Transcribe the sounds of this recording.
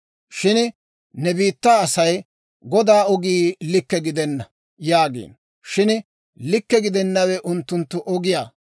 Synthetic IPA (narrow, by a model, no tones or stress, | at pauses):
ʃɪn | nɛbiːt̪ːaːɐsɐj | ɡɔd̪aːɔɡiːlɪkːɛɡɪd̪ɛnːɐ | jaːɡḛːn | ʃɪn | lɪkːɛɡɪd̪ɛnːɐwɛʔʊnt̪ːʊnt̪ːʊʔɔɡɪjaː